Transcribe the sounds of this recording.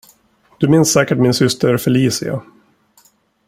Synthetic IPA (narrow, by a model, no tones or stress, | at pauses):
d̪̥ɵmɪnsːɛːkəʈmɪnsʏst̪ʰəɾfɛɭiːsɪ̰a̰